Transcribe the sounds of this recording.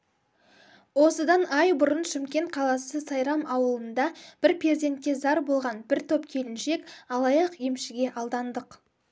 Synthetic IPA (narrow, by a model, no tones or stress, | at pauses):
wo̞səd̪ɑnɑjbʊɾənʃɪmkʲe̞nt̪̚qʰɑlˠɑsəsɑjɾɑmɑwəlˠənd̪ɑb̥ɪɾpʰed̪ʲe̞nt̪̚kʲe̞zɑɾbo̞lˠʁɑnbɪɾt̪ʰo̞pkʲʰe̞lɪnʃe̞kɑlˠɑjɑqje̞mʃɪɡʲe̞ʔɑlˠd̪ɑnd̪əq